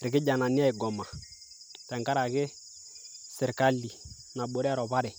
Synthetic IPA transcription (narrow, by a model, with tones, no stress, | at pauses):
ɾɪ˨kɪ˦ɟa˨na˨ni˦a˦i˨ɡɔ˨ma˨ | tɛ˨ŋka˦ɾa˨kɪ˦ | sɛ˨ɾka˦li˨ | na˨ɓo˨ɾi˦a˦ɾɔ˨βa˦ɾɛ˨